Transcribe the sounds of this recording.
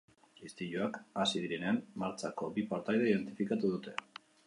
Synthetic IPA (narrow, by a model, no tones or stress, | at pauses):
ist̪iʎoakasiðiɾe̞ne̞ammaɾt͡sako̞bipaɾt̪ajð̞eiðe̞nt̪ifikat̪uð̞ut̪e̞